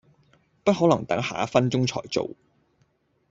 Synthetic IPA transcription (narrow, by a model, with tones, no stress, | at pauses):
pɐ˥t̚hɔː˨˥lɐ˨˩ŋt̪ɐ˨˥ŋha̰ː˨˥fɐ˥nt͡sʊ˥ŋt͡ʃʰɔ̰ː˨˩jt͡so̰˨w